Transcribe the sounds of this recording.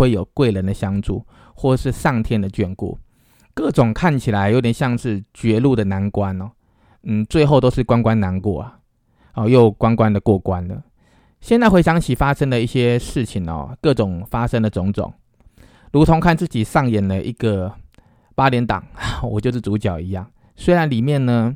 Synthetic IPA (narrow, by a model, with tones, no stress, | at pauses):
we˥˩ɪjo˨˩ʊkwe˥˩ɪlə˧˦nd̪ə˨ɕjɑ˥ŋʈ͡ʂṵ˥˧ | xwɔ˥˩˨ʂɻ̩˥˧ʂɑ˥˩ŋt̪ʰjɛ˥nd̪ə˨t͡ɕɥɛ˥˧nkṵ˥˩ | kɤ˥˩ʈ͡ʂʊ˨˩ŋkʰa˥˩nt͡ɕʰi˨˩la˧˦ɪjo˧˦ʊt̪jɛ˨˩nɕjɑ˥˧ŋʂɻ̩˥˧t͡ɕɥɛ˧˥lu˥˨d̪ə˩na˧˦nkwa˦nɔ˨˩ | n̩˥˩t͡swe˥˧ɪxo˥˩ʊt̪o˥ʊʂ̩˥˩kwa˦nkwa˦nna˧˥nkwɔ̰˥˩a˨˩ | ɔ˧˩jo˥˩ʊkwa˦˥nkwa˦nd̪ə˨kwɔ˥˩kwa˦nd̪ə̰˨˩ | ɕjnt͡sa˥˧ɪxwe˥˩ɪɕjɑ˥ŋt͡ɕʰi˨˩fa˦˥ʂə˥ŋd̪ə˨i˥˩ɕjɛ˥ʂɻ̩˥˩t͡ɕʰi˨˩ŋɔ̰˨˩kɤ˥˩ʈ͡ʂʊ˨˩ŋfa˥ʂə˥ŋd̪ə˨ʈ͡ʂʊ˧˥˦ŋʈ͡ʂʊ̰˨˩˦ŋ | lu˧˥t̪ʰʊ˧˥ŋkʰa˥˧nt͡sɹ̩˥˩t͡ɕi˨˩ʂɑ˥˩ŋjɛ˨˩nd̪ə˦ʔi˧˦˥ɡ̥ə˨ | pa˥ljɛ˧˥nt̪ɑ̰˨˩˦ŋa˨˩wɔ˨˩t͡ɕjo˥˧ʊʂ̬̩˥˩t͡su˨˧˥t͡ɕjɑ˨˩ʊi˧˥jɑ˥˩ŋ | swe˥ɪɻa˧˦nli˨˩mjɛ˥˩nnə˩